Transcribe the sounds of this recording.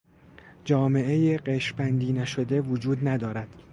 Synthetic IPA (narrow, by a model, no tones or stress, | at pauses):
d͡ʒɒːme̞ʔejeɢeʃbænd̪iːnæʃo̞d̪e̞vod͡ʒuːd̪næd̪ɒːɾæd̪̥